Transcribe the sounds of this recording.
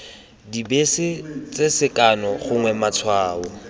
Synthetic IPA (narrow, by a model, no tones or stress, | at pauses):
dibesɪt͡sʼesɪkʼanɔχʊŋwɛmat͡sʰwaːʊ